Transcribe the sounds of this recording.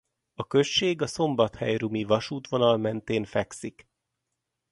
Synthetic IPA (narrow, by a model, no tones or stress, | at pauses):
ɒkø̞ʃt͡ʃːeːɡɒso̞mbɒt̪hɛjrumivɒʃuːt̪ʋo̞nɒlmɛnt̪eːnfɛksik